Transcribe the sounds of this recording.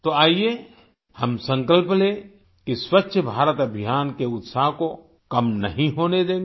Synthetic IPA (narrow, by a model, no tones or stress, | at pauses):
t̪oaːie | hɐmsə̃ŋkəlple | kiswətːʃʰəbʱaːɾət̪ɐbʱɪjaːnkeʊt̪saːɦko | kɐmnɐ̰ɦĩɦoːned̪ẽː